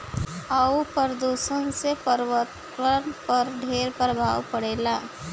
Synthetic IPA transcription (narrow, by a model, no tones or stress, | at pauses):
aupəɾd̪uːsənsepəɾʋət̪ | ʋənpəɾɖʱeːɾpɾəbʱaːwpəɽeːlaː